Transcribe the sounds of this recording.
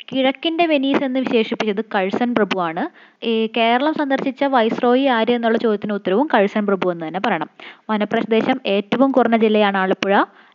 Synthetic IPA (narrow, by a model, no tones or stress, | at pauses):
kiɻɐkːinde̞ʋe̞niːse̞nːɨʋiɕe̞ːʂipːit͡ɕːɐðɨkɐɻsɐnprɐbuʋaːɳɨ | ke̞ːɾɐɭɐmsɐnd̪ʱɐrɕit͡ɕːɐʋɐjsro̞ːjiaːɾue̞nːuɭːɐt͡ɕo̞d̪jɐt̪ːineut̪ːɐɾɐʋumkɐɻsɐnprɐbuʋe̞nːɨt̪ɐnːe̞pɐrɐjɳɐmʋɐnɐprɐɕɐd̪e̞ːɕɐme̞ːtːɐʋumkurɐnːɐd͡ʑilːɐjaːɳɨaːɭɐpːuɻɐ